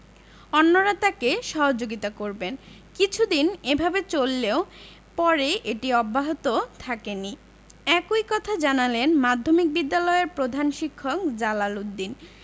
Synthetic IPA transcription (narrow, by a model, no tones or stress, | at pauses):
ɔnːoɾat̪akeʃɔɦod͡ʑoɡit̪akoɾben | kit͡ɕʰud̪inebʱabet͡ɕolːeo | pɔɾeʔeʈiɔbːaɦot̪ot̪ʰakeni | ɛkojkɔt̪ʰad͡ʑanalenmad̪ʱːomik̚bid̪ːalɔeeɾpɾod̪ʱanʃikʰːok̚d͡ʑalalud̪ːin